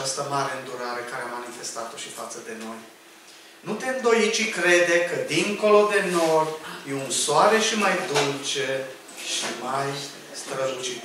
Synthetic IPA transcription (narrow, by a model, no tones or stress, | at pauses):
ast̪əmaɾe̞ɨnd̪uɾaɾe̞kaɾeamːanife̞st̪at̪o̞ʃifat̪səd̪e̞no̞j | nut̪emd̪o̞jit̪t͡ʃikɾe̞d̪ekəd̪iŋko̞lo̞d̪e̞no̞rjeunsoaɾe̞ʃimajd̪ult͡ʃe | ʃimaj | st̪ɾəzut͡ʃit̪